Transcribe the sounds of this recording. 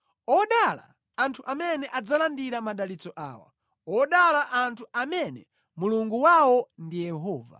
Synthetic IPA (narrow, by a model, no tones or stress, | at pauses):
ɔɗala̰ː | ntʰuʔamɛnɛʔad͡zalandiɾamaɗalit͡sɔʔa̰ːwa̰ | ɔɗalaʔantʰuʔamɛnɛ | muluŋɡuwawɔndijɛɦɔːva̰